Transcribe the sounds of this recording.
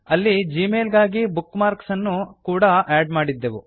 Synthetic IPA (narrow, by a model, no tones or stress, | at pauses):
ɐlːid͡ʒiːmeːlɡaːɡibukːmaːɾksɐnːukuːɽɐʔaːɖmaːɽid̪ːeʋu